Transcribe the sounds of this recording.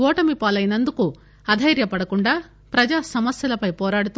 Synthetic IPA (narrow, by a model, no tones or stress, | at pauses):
ɔːʈɐmipaːlɐjinɐnd̪uku | ɐd̪ʱɐjɾjɐpɐɽɐkuɳɖaː | pɾɐd͡ʒaːsɐmɐsjɐlɐpɐjpɔːɾaːɽut̪u